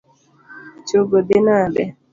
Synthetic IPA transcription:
t͡ʃoɡodɪnadɛ

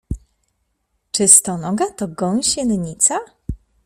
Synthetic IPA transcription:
t͡ʂɘst̪ɔnɔɡat̪ɔɡɔ̃w̃ɕɛnɲit̪sa

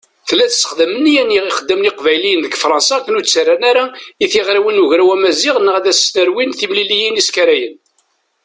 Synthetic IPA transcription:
θəlːæθsːə̥χðəmənjænːiʁiχəd̪ːəmniqvæjlijənðəɡfɾˤɑ̃nsɑkːənut͡sːarːanaɾaiθiʁɾiwinuʝɾawæmæziʁnːəʁæðæsːnəɾwinθimlilijiniskæɾæjən

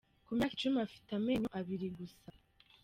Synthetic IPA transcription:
kumjakit͡ʃumeafi̥tameɲoʔaβiɾiɡusa

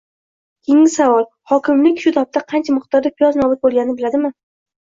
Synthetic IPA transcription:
kʲʰejɪŋɪsavɒlˠ | hɒkʲɪmlɪkʲʃʊt̪ʰɒp̚t̪ʰaqʰɑnt͡ʃʰamʊχt̪ɒɾd̪apʰijɒznɒbʊt̪̚bolˠɡʲannɪbɪlad̪ɪmɪ

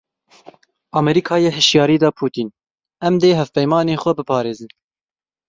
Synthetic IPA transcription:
ʔɑːmɛɾiːkʰɑːjeːɦɨʃjɑːɾiːd̪ɑːpʰuːt̪iːn | ɛmd̪eːɦɛvpɛjmɑːneːxʷɛbɨpʰɑːɾeːzɨn

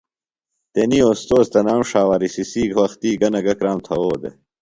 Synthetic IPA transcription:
t̪enioːst̪oːst̪ɐnaːmʂaːwaɾisisiːɡʱwɐxt̪iːɡɐnɐɡɐkɾaːmt̪ʰɐwoːd̪ḛ

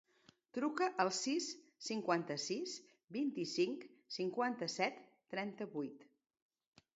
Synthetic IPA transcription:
t̪ɾukəʔəlˠsisːiŋkwant̪əsis | bint̪isiŋksiŋkwant̪əsɛt̪ːɾɛnt̪əβujt̪

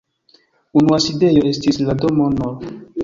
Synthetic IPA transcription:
unuaside̞joe̞stisladomono

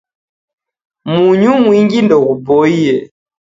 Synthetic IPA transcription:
muɲumwiŋɡindɔɣubɔiɛ

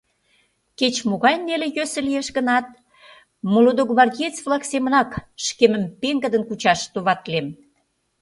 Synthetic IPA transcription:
ket͡ɕmoɣɑjnːelejøsə̆lijeʃɣə̆nɑt̪̚ | molod̪oɣβɑrdʲiet͡svlɑksemə̆nɑkʃkemə̆mpeŋɡəd̪ənkut͡ɕɑʃt̪oβɑt̪lem

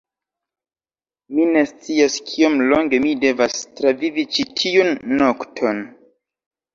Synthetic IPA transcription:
mine̞st͡siaskʰio̞mlo̞ŋɡe̞mide̞vastɾavivit͡ʃitʰiunːoktʰo̞n

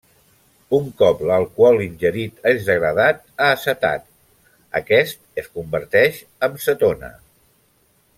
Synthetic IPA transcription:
uŋkɔpləlˠkwɔlinʲʒəɾit̪əzðəɣɾəð̞at̪aːsət̪a̰t̪ | ə̰kɛst̪̚əskumbəɾt̪ɛʃ | əmsət̪onə̰

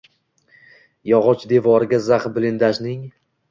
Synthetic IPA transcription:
jɒʁɒt͡ʃʰd̪e̞vɒɾɪɡʲazaχbɪlɪnd̪aʃnɪŋ

